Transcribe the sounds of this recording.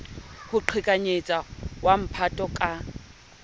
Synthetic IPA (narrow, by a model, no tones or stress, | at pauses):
hʊǃʰikʼaɲet͡sʼawam̩pʰatʼɔkʼa